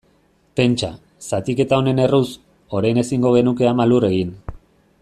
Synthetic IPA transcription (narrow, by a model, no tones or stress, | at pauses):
pe̞nt͡ʃa | sat̪ike̞t̪ao̞ne̞ne̞rus | o̞ɾajne̞siŋɡo̞ɣ̞e̞nuke̞amalure̞ɣin